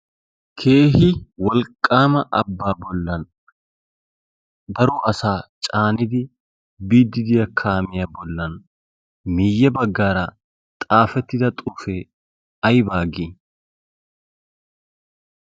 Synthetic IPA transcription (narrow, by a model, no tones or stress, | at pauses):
kʰe̞ːɦɪwɐlkʼːaːmɐʔɐ̰bːaːbɔlːɐn | d̪ɐɾuʔɐsaːt͡ʃʼaːnɪd̪ɪ | biːd̪ːɪd̪ɪjɐkʰaːmɪjɐbɔlːɐn | mɪjːɐbɐɡːaːɾaː | t̪ʼaːfɛt̪ːɪd̪ɐt̪ʼʊfeː | ɐjbaːɡi